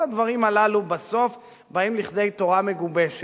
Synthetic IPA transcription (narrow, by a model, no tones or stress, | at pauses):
ad̪vaʁimalalubaso̞f | baimliχd̪e̞jt̪o̞ʁame̞ɡube̞ʃe